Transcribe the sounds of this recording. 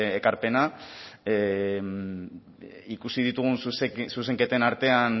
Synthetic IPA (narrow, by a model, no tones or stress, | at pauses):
ekaɾpe̞na | ikusið̞it̪uɣ̞unssus̬e̞ŋket̪enaɾt̪e̞an